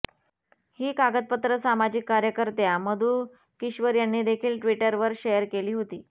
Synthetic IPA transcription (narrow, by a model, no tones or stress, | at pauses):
hiːkaɡəd̪̚pət̪ɾəsamad͡ʑikːaɾjəkəɾt̪jaməd̪ʱuː | kiɕʋəɾjanːiːd̪ekʰiːlʈʋiʈəɾʋəɾɕejəɾkeliːɦot̪iː